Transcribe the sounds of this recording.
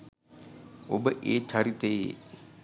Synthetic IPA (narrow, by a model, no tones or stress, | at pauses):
obəʔeːt͡ʃaɾit̪ejḛ